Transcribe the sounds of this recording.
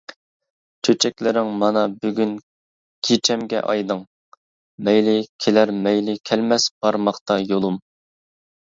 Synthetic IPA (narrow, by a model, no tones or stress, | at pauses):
t͡ʃʰøt͡ʃʰɛkʲlɪɾɪŋmɑnɑbyɡʲyn | kʲʰet͡ʃʰɛmɡʲɛ̰ʔɑ̰jd̪ɨŋ | mɛjlɪkʲʰelæɾmɛjlɪkʲʰælmɛsb̥ɑɾmɑχt̪ɑjolˠum